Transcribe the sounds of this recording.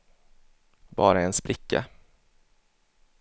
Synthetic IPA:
b̥ɑ̰ːɾaɛnspɾɪkːa̰

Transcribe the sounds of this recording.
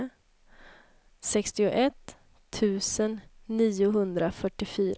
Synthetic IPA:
sɛkst̪ɪʊʔɛt̪ʰː | ʉ̟ːsənːiːʊɦɵnd̪ɾafœʈːɪfyːɾ

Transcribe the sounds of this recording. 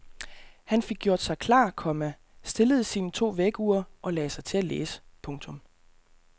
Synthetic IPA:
hænfe̝ɡ̥̚ɡjo̝ɐd̥sɑ̈ɪkʰlɑ̰̈ːkʰɒ̽mæ | sd̥e̝ləð̞̩ˠsiːnət͡sʰo̝̰ːʋeɡ̥uːɐʔɒ̽lɛːsɑ̈ɪt͡sʰe̝ælḛːsə̥pʰɔ̽ŋt͡sʰɔ̽m

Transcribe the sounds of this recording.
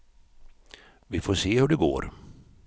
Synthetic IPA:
vɪfoːseːhɵɖɛɡo̰ːɾ

